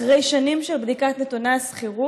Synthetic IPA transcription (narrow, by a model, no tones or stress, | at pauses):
ʁe̞jʃanimʃelbd̪ikatnetunasχiʁu